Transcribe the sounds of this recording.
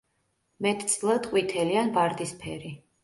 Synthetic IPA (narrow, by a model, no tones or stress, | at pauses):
mɛt̪ʰt̪sʼlˠad̪qʼwit̪ʰɛlianbaɾd̪ispʰɛɾi